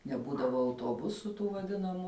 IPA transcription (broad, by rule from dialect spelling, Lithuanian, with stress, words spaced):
nʲɛˈbuːdɐʋoː ɐʊtuɔˈbʊsuː tuː ʋɐˈdʲɪnɐmuː